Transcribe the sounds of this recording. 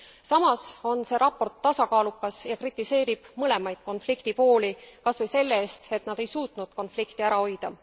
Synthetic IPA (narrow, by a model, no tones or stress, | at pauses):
sɑmɑso̞nse̞ːɾʔɑpːo̞rt̪ːɑsɑkɑːlukːˑɑsjɑkrit̪ːˑise̞ːɾib̥mɤle̞mɑjd̪̥̚ko̞nflikt̪ipo̞ːlikɑsvɤjse̞lːeeːst̪e̞t̪ˑnɑd̪̥e̞jsuːt̪nud̪̥ko̞nflikt̪iæɾɑo̞jd̪̥ɑ